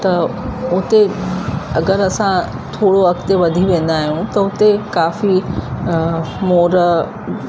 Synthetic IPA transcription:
t̪ɐʊt̪e | ɐɡəɾɐsã | t̪ʰoːɽoɦɐkt̪eʋɐd̪ʱiʋẽːn̆d̪aːɦijũt̪ɐʊt̪ekaːfi | moːɾ

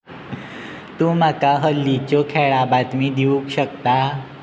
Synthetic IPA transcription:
t̪ũːm̤akaɦəlːit͡ɕokʰɛɭabat̪miːd̪iũkɕəkt̪a

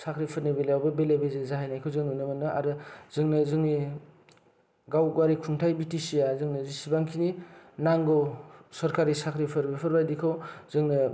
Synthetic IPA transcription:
sakʰɾipʰɯɾnibelejawbɯbelebezezaɦajnajkʰɯwzɯŋnunɯmɯnːɯʔa̰ɾɯzɯŋnɯzɯŋni | ɡawɡaɾikʰuŋtʰajbitisijazɯŋnɯzisibaŋkʰininaŋɡɔwsɔɾkʰaɾisakʰɾipʰɯɾbepʰɯɾbajdikʰawzɯŋnɯ

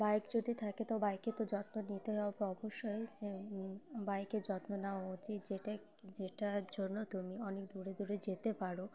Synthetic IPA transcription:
bajkd͡ʑod̪it̪ʰaket̪abajket̪od͡ʑɔt̪monit̪eɦɔbeɔboʃːoed͡ʑe | bajked͡ʑɔt̪nonaoot̪id͡ʑeʈa | d͡ʑeʈad͡ʑonːot̪umiɔnek̚d̪uɾed̪uɾed͡ʑet̪epaɾo

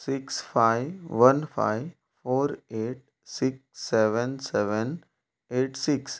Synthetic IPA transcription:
sɪksfʰaɪʋənfʰa̰ɪ | foːɾeːʈ̚ | sɪksːeʋə̃nsɛʋən | eːʈsɪks

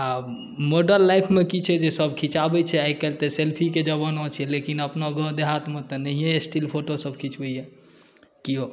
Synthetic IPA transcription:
a | moɖəɾnlajpʰmekit͡ʃʰɛd͡ʒesəbkʰĩt͡ʃabɛt͡ʃʰɛaikɛlt̪ɛselpʰiked͡ʒəbənɔ̃t͡ʃʰɛlekinəpnaɡʱəd̪eɦat̪mẽt̪ɔnəɦijeesʈilpʰoʈosəb̚kʰit͡ʃbɛiɛ | kiɦo

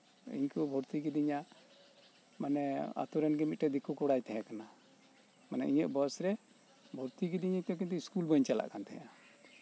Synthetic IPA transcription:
ḭɲkubʱɔɾt̪iɡid̪iɲa | manɛa̰t̪uɾɛnɡɛmit̪̚ʈɛd̪ikukɔɽajt̪ɛjakana | manɛ̰ʔiɲəʔ̚bəsɾɛ | bʱɔɾt̪iɡid̪iɲət̪ɔk̬int̪̬uiskulbəɲt͡ʃala̰ʔkant̪ʰɛja

